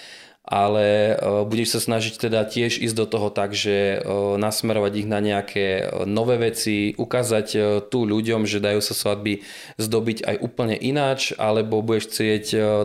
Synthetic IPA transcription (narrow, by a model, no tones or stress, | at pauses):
ʔalɛbuɟɛʃsasnaʒict̪ɛd̪acɪɛʒḭːzɟd̪ɔt̪ɔɦɔt̪aɡʒɛnasmɛɾɔʋaɟiɣnaɲɛakʰɛːnɔʋɛːʋɛt͡siʔukaːzact̪uːʎuɟɔmʒɛd̪ajuːsasʋad̪̚bi | zd̪ɔbiɟa̰jʔuːpl̩ɲɛʔinaːt͡ʃa̰lɛbɔbuɟɛʃt͡sɪɛc